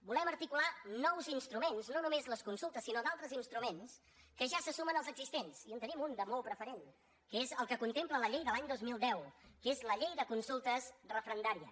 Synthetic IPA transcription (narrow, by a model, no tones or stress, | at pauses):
bulɛməɾt̪ikulanɔwzinst̪ɾumenznonumezləskunsulˠt̪əsːinod̪alˠt̪ɾəzinst̪ɾumens | kəʒasəsumənəlˠzəɡzist̪ensiənt̪ənimund̪əmolˠpɾəfəɾen | kəezəlˠkəkunt̪emplələʎejðəlaɲd̪ozmilˠd̪ɛwkezləʎejðəkunsulˠt̪əsrəfɾənd̪aɾiə̰